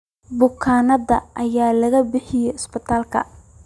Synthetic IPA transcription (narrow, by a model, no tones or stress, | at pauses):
bʊkʰaːnɐðɐʔɐjaːlɐɣɐbɪħɪjɛɪspɪt̪ʰaːlkʰɐ̰